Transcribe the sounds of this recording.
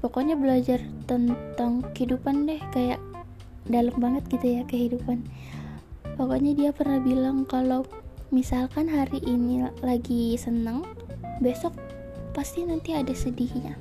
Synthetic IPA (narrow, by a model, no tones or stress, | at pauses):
pokoɲabəlad͡ʒart̪ənt̪aŋkəhidupandɛhkajaʔ | daləmbaŋət̪̚ɡ̥it̪ujakəɦidupan | pokoɲadiapərnahbilaŋkalo | misalkanɦaɾiʔːnilaɡisənəŋ | besɔk̚ | past̪inant̪iadasədihɲa